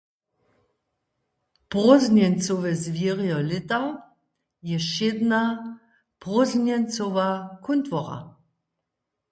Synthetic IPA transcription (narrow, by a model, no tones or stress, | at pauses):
pʁɔznjɛnt͡soʋɛzvjiʁjɔlɪt̪a | jɛʃed̪na | pʁɔznjɛnt͡soʋakʰunt̪vɔʁa̰